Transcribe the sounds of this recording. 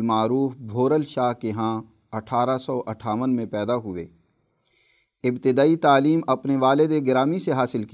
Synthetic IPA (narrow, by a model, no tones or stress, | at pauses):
maːɾuːfbʱoːɾəlʃaːɦkeɦãː | ɐʈʰaːɾasɔːʔɐʈʰaːʋənmẽpɛːd̪aɦʊʋḛː | ɪbt̪ɪd̪aːit̪aːliːmɐpneʋaːlɪd̪eɡɪɾaːmiseɦaːsɪlk